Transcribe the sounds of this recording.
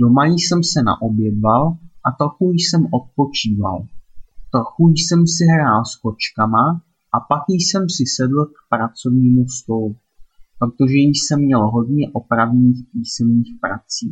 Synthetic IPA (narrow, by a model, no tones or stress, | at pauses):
do̞majisɛmsɛna̰ʔo̞bjɛdvalʔat̪ɾo̞xujsɛmʔo̞t̪̚po̞t͡ʃiːva̰lt̪ɾo̞xujsɛmsɪɦɾaːlsko̞t͡ʃkama | ʔapakjsɛmsɪsɛdl̩kpɾat͡so̞vɲiːmust̪o̞lu | pɾo̞t̪o̞ʒɛsɛmːɲɛlɦo̞dɲɛʔo̞pɾavɲiːxpiːsɛmɲiːxpɾa̰t͡siː